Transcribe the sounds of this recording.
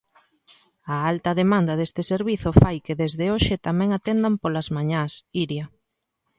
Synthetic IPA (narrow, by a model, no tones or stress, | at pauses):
ɐalt̪ɐðemand̪ɐðest̪ɪseɾβiθʊfajkeðezðeoʃɪt̪amɛ̃ŋat̪end̪ampolazmaɲasiɾjɐ